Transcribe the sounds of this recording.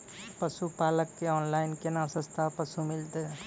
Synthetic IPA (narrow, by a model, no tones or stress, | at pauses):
pəsupaləkːeɔːnlaɪnkenasə̃st̪ʰapəsumilt̪e